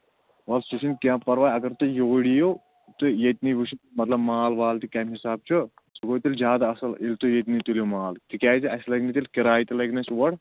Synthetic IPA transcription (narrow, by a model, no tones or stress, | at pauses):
ʋɐlsusinkʲjãːpɐɾʋaːjɐɡɐɾt̪ujoːɽijoː | t̪ɨjet̪niʋuʃʰimɐt̪lɐbmaːlʋaːlt̪ikɐmɦisaːb̚t͡ʃʰu | sɐɡoːt̪ilzʲjaːd̪aɐsɐlilʲt̪ujet̪nit̪uljomaːlt̪ikʲaːziɐslɐɡnit̪ilʲkiɾaːjit̪ilɐɡnɐt͡ʃʋɐɽ